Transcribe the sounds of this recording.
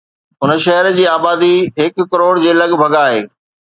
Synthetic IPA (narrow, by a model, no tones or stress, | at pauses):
ʊnʃɐɦəɾd͡ʑiːaːbaːd̪iɦɪkːɐɾoːɽd͡ʑeːlɐɠbʱɐɡaːɦḛː